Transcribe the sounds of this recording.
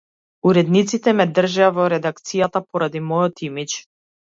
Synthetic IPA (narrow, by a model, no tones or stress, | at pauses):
uɾɛd̪nit̪sit̪ɛmɛd̪r̩ʒɛavɔɾɛd̪ak̚t̪sijat̪apɔɾad̪imɔjɔt̪imit͡ʃ